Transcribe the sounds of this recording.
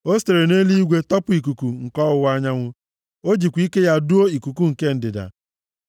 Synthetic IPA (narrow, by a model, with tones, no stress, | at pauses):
o˦ste˨ɾe˨ne˦li˦i˦ɡʷe˦tɔ˦pʊ˨i˨k̬u˨ku˨ŋ̩˨kɔ˦ʊ˨wa˦ɲa˦ŋʷʊ˦ | o˦d͡ʒi˨kʷi˦ke˦ja˦du˦o˦i˨ku˨ku˦ŋ̩˨ke˦n̩˨dɪ˨da̰˨